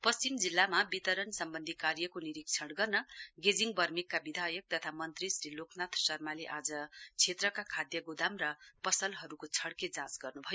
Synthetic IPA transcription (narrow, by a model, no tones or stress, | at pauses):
pʌst͡simd͡zilːamabit̪ʌɾʌnsʌmbʌnd̪ʱikaɾjʌkoniɾikt͡sʰʌɽɡʌrnʌɡed͡ziŋɡbʌrmikːabid̪ʱajʌk̚t̪ʌt̪ʰamʌnt̪risɾilokʰnat̪ʰsʌrmaleʔad͡zʌt͡sʰet̪rʌkakʰad̪jʌɡud̪ʱamrʌpʌsʌlɦʌɾukot͡sʰʌɽked͡zãsɡʌrnubʱʌjo